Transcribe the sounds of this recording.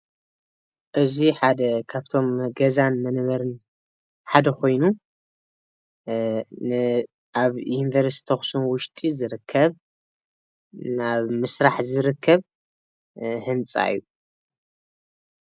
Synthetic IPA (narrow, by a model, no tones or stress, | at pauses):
ʔɨziħad̪ɐkʰaβt̪ʰo̞mɡɐzanmɐnβɐɾɨn | ħad̪ɐkʰo̞jnu | nɨ | ʔaβinvɐɾst̪ʰoxsunwʊʃt̪ʼizɨɾɨkʰːɐβ | naβmɨsɾaħzɨɾɨkʰːɐβ | hɨnt͡sʼa̰jːu